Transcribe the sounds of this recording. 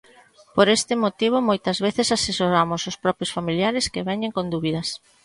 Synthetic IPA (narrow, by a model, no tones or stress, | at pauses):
poɾest̪ɪmot̪iβ̞ʊmojt̪ɐzβeθɪsasesoɾamʊsʊspɾɔpjʊsfamiljaɾɪskeβɛɲeŋkond̪uβiðɐs